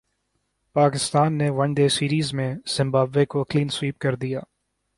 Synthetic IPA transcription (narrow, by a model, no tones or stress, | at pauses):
paːkɪst̪aːnːeʋɐɳɖeːsiːɾiːzmẽz̥ɪ̃mbaːbʋekokliːnswiːp̚kɐɾd̪ijaː